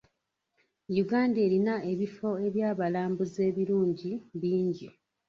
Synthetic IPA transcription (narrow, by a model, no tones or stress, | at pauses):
juɡaːnde̞ːɾinae̞βifo̞e̞βjaːβalaːmbuze̞ːβiɾuːɲɟiβiːɲɟi